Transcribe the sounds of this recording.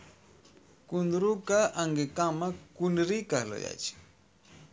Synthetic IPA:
kʊnd̪ɾukaaŋɡɪkamakʊnɪɾɪkahlo̰ja̰t͡ʃɪ̥

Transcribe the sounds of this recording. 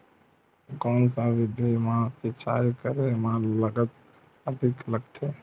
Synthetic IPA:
kɔːnsaʋɪd̪ʱimãsɪt͡ʃʰaːkəɾemãləɡət̪̚ | əd̪ʱɪkləɡt̪ʰe

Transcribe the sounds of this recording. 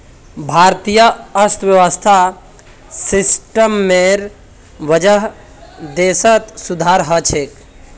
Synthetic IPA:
bʱaɾt̪ijəəst̪ʰʋjəʋəst̪ʰa | sisʈəmːeɾ | ʋəd͡ʒəɦ | d̪esət̪sud̪ʱaɾɦət͡ʃʰek

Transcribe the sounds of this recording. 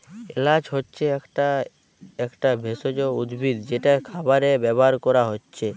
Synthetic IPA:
elad͡ʒɦɔtːt͡ʃʰekʈa | ekʈabʱesod͡ʒoud̪bʱid̪d͡ʒeʈakʰabaɾebɛbɔɦaɾkɔɾaɦotːt͡ʃʰe

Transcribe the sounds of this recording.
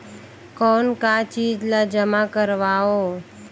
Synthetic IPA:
kɔːnkat͡ʃiːd͡ʒlad͡ʒəmakəɾʋaːoː

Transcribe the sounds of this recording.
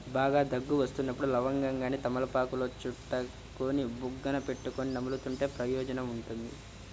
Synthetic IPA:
baːɡaːd̪ɐɡːuʋɐst̪unːɐpːuɽulɐʋɐŋɡɐŋɡaːnit̪ɐmɐlɐpaːkulo̞ːt͡ʃuʈːɐ | koːnibuɡːɐnɐpe̞ʈːukoːninɐmulut̪uɳʈe̞ːpɾɐjɔːd͡ʒɐnɐmuɳʈund̪i

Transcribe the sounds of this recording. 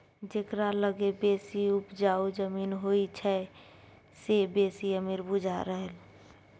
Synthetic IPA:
d͡ʒekɾaləɡebesiupd͡ʒaud͡ʒəminɦoit͡ʃʰɛ | sebesiəmiɾbud͡ʒʱaɾəɦəl

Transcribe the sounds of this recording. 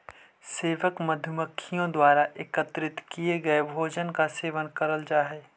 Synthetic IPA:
seːʋəkmɐd̪ʱjməkʰːijõd̪waːɾaʔɪkət̪ɾɪt̪kieɡɐebʱoːd͡ʒənkaseːʋənkɐɾəld͡ʒaːɦɛː

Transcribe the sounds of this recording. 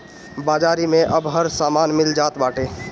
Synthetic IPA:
baːd͡ʒaːɾimẽʔəbɦəɾsaːmaːnmɪld͡ʒaːt̪baːʈeː

